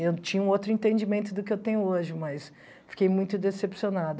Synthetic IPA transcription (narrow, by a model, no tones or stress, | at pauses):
ewt͡ʃĩɲɐũowt̪ɾʊĩnt̪ẽd͡ʒimẽnt̪ʊd̪ʊkɪewt̪ẽɲʊoʒɪmɐs | fi̥kejmũj̃t̪ʊd̪esepsionad̪ʊ